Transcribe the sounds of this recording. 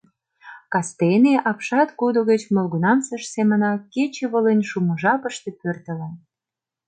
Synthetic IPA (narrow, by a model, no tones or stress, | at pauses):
kɑst̪eneʔɑpʃɑt̪kod̪oɣə̆t͡ɕmŏlɣunɑmsə̆ʃsemə̆nɑket͡ɕeβə̆lənʲʃumə̆ʒɑpə̆ʃt̪ĕpørt̪ə̆len